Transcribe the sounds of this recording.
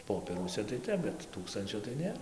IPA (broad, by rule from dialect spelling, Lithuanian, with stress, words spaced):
ˈpoːpʲiɛruɔsʲɛ tɐɪ ˈtʲɛp bʲɛt ˈtuːkstɐnʲt͡ʃʲoː tɐɪ ˈnʲeːr